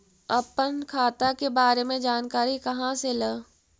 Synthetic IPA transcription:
ɐpənkʰaːt̪akebaːɾemẽd͡ʒaːnkaːɾikɐɦãseləː

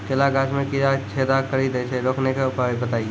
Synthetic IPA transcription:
kelaɡaːt͡ʃmẽkiɾat͡ʃʰed̪akəɾid̪et͡ʃʰɛɾoːkʰnekeʊpabət̪aːi

